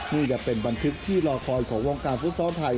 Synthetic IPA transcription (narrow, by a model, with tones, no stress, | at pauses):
niː˥˩t͡ɕa˨˩ʔpe˧nba˧nt̪ʰɯ˦˥k̚t̪ʰiː˥˩lɔː˧kʰɔː˧jkʰɔː˩˦ŋwoː˧ŋkaː˧nfu˦˥t̪̚sɔː˦˥t̪ʰa˧j